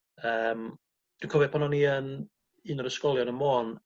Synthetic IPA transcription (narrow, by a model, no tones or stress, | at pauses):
əːm | d̥winkʰɔvɛpʰɔnɔniən | ɨnəɾəskɔlˠjɔnəmoːn